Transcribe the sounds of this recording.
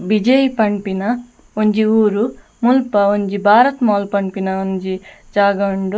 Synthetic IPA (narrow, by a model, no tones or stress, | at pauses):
bid͡ʒɐjpɐɳpinɐ | oɲd͡ʒiuːɾu | mulpɐoɲd͡ʒibʱaːɾɐt̪maːlpɐɳpinɐond͡ʒid͡ʒaːɡɐɳɖu